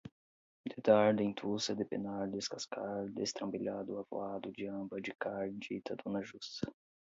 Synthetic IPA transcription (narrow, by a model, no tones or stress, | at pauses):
d̪ed̪aɾd̪ẽt̪ʰusɐd̪ɪpenaɾd̪ɪskaskaɾd̪ḛst̪ɾɐ̃mbiʎad̪ʊavo̰ad̪ʊd͡ʒiɐ̃mbɐd͡ʒɪkaɾd͡ʒit̪ʰɐd̪onɐʒus